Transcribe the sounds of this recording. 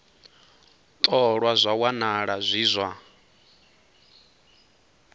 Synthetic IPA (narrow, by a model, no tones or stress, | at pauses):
t̪ʼɔɺwazʷawanaɺazʷiːzʷa